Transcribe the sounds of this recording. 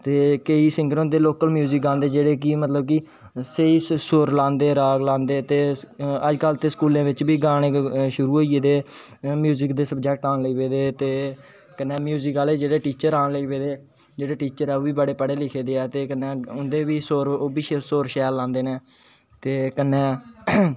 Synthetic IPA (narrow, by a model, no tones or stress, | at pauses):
t̪eːkəiːsɪ̃ŋɡəɾõnd̪eːloːkəlmjuːzɪkãːnd̪eːd͡ʒeːɽeːk̬imət̪ləb̚ki | seiːsoːɾlãːnd̪eːɾaːɡlãːnd̪eːt̪eːəd͡ʒkəlt̪eːsə̥kuːlẽːʋɪt͡ʃbiːɡaːɽ̃eːʃʊɾuːɦoːied̪eː | mjuːzɪkd̪eːsəbd͡ʒɛk̚ʈãːnləiːʋeːd̪eːt̪eː | kənːɛːmjuːzɪkaːleːd͡ʒeːɽeːʈiːt͡ʃəɾãːɳləiːʋeːd̪eː | d͡ʒeːɽeːʈiːt͡ʃəɾɛːoːbiːbəɽeːpəɽeːlɪkʰeːd̪eːɛːt̪eːkənɛ̃ːʊnd̪eːʋiːsoːɾoːbiːʃesoːɾʃɛːɾlãːnd̪eːneː | t̪eːkənːɛ̃ː